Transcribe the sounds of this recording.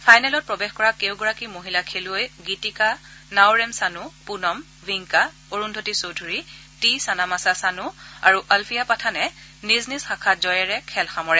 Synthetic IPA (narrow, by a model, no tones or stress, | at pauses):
pʰajnɛlɔt̚pɹɔbexkɔɹakewɡɔɹakimoɦilakʰelʊojɡitika | nawɹɛmsanupunɔm | viŋka | oɹundʱotisodʱuɹi | tisanamasasanʊaɹuʔalpʰijapatʰanɛ | niznisxakʰatzɔjɛɹɛkʰɛlxamɔɹɛ